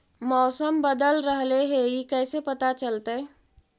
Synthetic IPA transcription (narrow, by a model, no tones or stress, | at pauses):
mɔːsəmbəd̪əlɾəɦleɦeikɛːsepɐt̪at͡ʃəlt̪aɦɛ